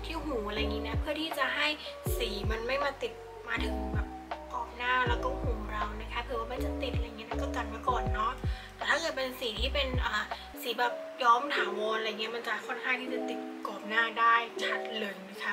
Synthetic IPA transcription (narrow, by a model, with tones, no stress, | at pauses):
t̪ʰiː˦˥˩huː˩˦a˧ɾa˧jŋiː˦˥na˦˥pʰɯ˥˩ət̪ʰiː˥˩t͡ɕa˨˩ɦa˥˩jsiː˩˦ma˧nma˥˩jmaː˥˩t̪i˨˩t̪̚ | maː˧t̪ʰɯ˨˩˦ŋbɛː˨˩p̚kɔː˨˩p̚naː˥˩lɛ˦˥wkɔː˥˩huː˩˦ɾa˧wna˦˥kʰa˧˦˥pʰɯ˨˩˦waː˥˩ma˧˨nt͡ɕa˨˩t̪i˨˩t̪̚ʔjŋi˦˥˦a˧˥˩kɔː˥˩t̪a˨˩n̚maː˧˥˩kɔː˨˩nːɔ˦˥t̪ɛː˨˩t̪ʰaː˥˩kɤ˨˩t̪̚pe˧nsiː˨˩˦t̪ʰiː˥˩pe˧nʔaː˨˩ | siː˩˦bɛː˨˩p̚jɔː˦˥mt̪ʰaː˨˦wɔː˧nlɾja˨ŋːi˦˥ɐma˧nt͡ɕa˨˩kʰɔ˥˩nkʰaː˥˩ŋt̪ʰiː˥˩t͡ɕa˨˩t̪i˨˩t̪̚kɔː˨˩p̚naː˥˩daː˥˩jt͡ɕʰa˦˩t̪̚lɤː˧˩jma˦˥˩kʰa˦˥